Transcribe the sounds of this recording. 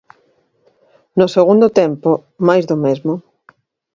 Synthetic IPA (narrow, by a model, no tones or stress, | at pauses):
nʊseɣ̞und̪ot̪empo | majzðomezmo